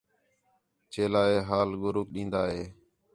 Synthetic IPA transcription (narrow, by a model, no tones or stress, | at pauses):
t͡ʃeːlaːeːɦaːlɡʊɾuːk̚ɗĩːnd̪aːɦeː